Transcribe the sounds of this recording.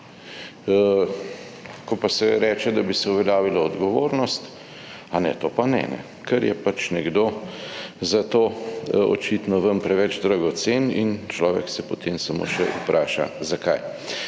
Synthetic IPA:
kɔpasɛɾɛːt͡ʃɛd̪abisɛuʋɛljaːʋilaɔd̪ɡɔʋoːɾnɔst̪ | anɛ̰t̪oːpanɛ̰nɛ̰ | kʰəɾjɛpat͡ʃnɛɡd̪oː | zat̪oɔ̰t͡ʃit̪nɔʋəmpɾɛʋɛd͡ʒd̪ɾaɡɔt̪senint͡ʃlɔːʋɛ̰ksɛpɔt̪ʰemsamo̰ʃɛʔupɾʔaːʃa̰zakaj

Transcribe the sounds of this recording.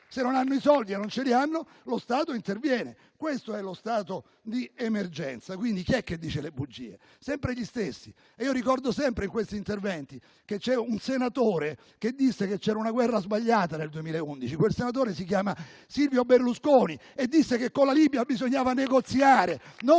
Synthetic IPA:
senːonanːoisɔld̪ienːont͡ʃelianːo | lost̪aːt̪oint̪ervjɛːne | kwest̪oɛlːost̪aːt̪o | d̪iemerd͡ʒɛnt̪sakwind̪ik̟iɛkːed̪ːiːt͡ʃelebud͡ʒːḭːḛ | sɛmpɾeʎist̪esːi | iːoɾikɔrd̪osɛmpɾeiŋkwest̪iːnt̪ervɛnt̪i | ket͡ʃːɛunsenat̪oːɾe | ked̪ːisːeket͡ʃːɛːɾaunaɡwɛrːazbaʎːaːt̪aneld̪uemiːlaeund̪it͡ʃikwelsenat̪̬oːɾesik̬jaːmasilvjoberluskoːni | ed̪ːisːekekːolalibjabizoɲːaːvaneɡot̪sjaːɾeno

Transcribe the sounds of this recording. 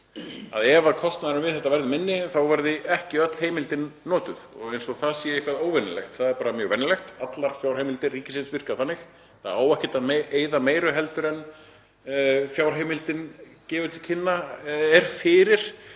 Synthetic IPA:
a̰ðɛvaðkʰɔst̪naðɪɾɪmvɪðθɛht̪avɛɾðɪmɪnːɪθawvɛɾðɪɛhcɪœt̪l̥heːjmɪlt̪ɪnːɔːt̪ʏðɔ̰ɣejnsɔɣθaðsjɛɪhkvaðoːwvɛnːɪlɛ̰xt̪θaðɛɾpaːɾamjœːɣvɛnɪlɛxt̪at̪laɾ̥fjaːwɾ̥hejmɪlt̪ɪriːcɪsɪnsvɪr̥kaθanːɪx | θaðaːwɛhcɪt̪aðmeeːjðameːjɾʏɦɛlt̪ʏɾɛn | fjaːwr̥ɦejmɪlt̪ɪncɛːvʏt̪ʰɪlcʰɪnːaɛɾ̥fɪːɾɪɾ̥

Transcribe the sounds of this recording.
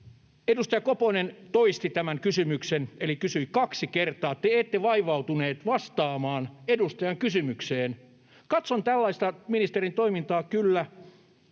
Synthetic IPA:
edust̪ɑjɑkoponent̪oist̪it̪æmæŋkysymyksenelikysyikɑksikert̪ɑːt̪ːeeːt̪ːeʋɑiʋɑut̪uneːt̪ʋɑst̪ɑːmɑːnedust̪ɑjɑŋkysymykseːn | kɑt̪sont̪ælːɑist̪ɑminist̪erint̪oimint̪ɑːkylːæ

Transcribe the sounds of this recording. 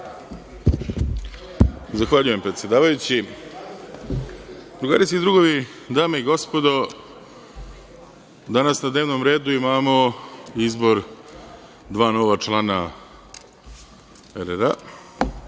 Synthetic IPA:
zaxʋaʎujempɾet̪sʲje̞d̪aːʋajut͡ɕi | d̪ɾuɡa̰ːɾiskid̪ɾuɡo̞ʋi | d̪aːmeiɡo̞spo̞d̪o̞ | d̪anasnad̪neːʋnomɾe̞ːd̪uimaːmo̞izbo̞ɾ | d̪ʋaːno̞ʋat͡ʂlˠana | eɾeɾa̰

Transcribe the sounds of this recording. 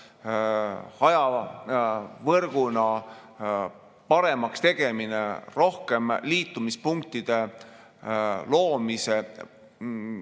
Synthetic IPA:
hɑjɑ | vɤrɡ̥unɑ | pɑɾe̞mɑkst̪e̞ɡ̥e̞mineɾo̞hke̞mliːt̪ːˑumispuŋk̚t̪id̪̥e̞ | lo̞ːmise

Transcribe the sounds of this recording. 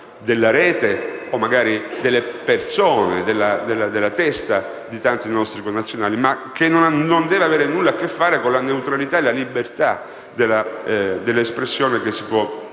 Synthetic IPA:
d̪elːaɾɛːt̪eomːaɡaːɾid̪elːepersoːned̪elːad̪elːad̪elːat̪ɛst̪a | d̪it̪ant̪inɔst̪ɾikonːat̪sːjonaːlimak̟ːenːonaːond̪ɛːveaveːɾenulːaːkːefːaːɾekonlaneut̪ɾalit̪aelalibːert̪a | d̪elːad̪elːespɾesːjoːnekesːipwɔ

